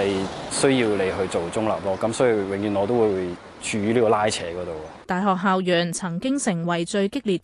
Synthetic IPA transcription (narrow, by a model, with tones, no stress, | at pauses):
ɐ˨jsɵ˥jiː˧wle˨˧jɦɵ˧ɥt͡so˨wt͡sʊ˥ŋla̰ː˨p̚lɔː˥kɐ˨˥msɔː˨˥ji˨˧wɪ˨ŋjyː˨˩nɔː˨˧t̪o˥wuː˨˧jwuː˨˧j | t͡ʃyː˧yː˥liː˥kɔː˨˧laː˥jt͡sʰɛː˨˥kɔː˨˥t̪o˨wɔ˧t̪aː˨jɦɔː˨k̚ɦaː˨wjœː˨˩nt͡sʰɐ˨˩ŋkɪ˥ŋsɪ˨˩ŋwɐ˨˩jt͡ʃɵ˧ɥkɪ˥k̚liː˨t̚